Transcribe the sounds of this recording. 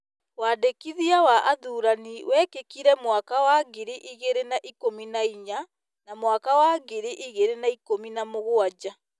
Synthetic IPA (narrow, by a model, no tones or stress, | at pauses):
wadekiðiawaʔaðuːɾaniwɛkekiɾɛmwakawaɡeɾeʔiɣeɾenaʔikominaiɲa | namwakawaɡeɾeʔiɣeɾenaikominamoɣoad͡ʑa